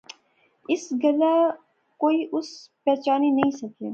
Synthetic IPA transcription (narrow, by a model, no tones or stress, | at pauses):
ɪsɡɐla | koːiʔʊspɛːt͡ʃaːninɐɦĩsɐkeː